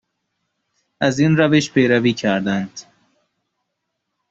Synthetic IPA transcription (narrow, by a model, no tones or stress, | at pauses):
æziːnɾæveʃpʰejɾæviːcʰæɾd̪ænd̪̥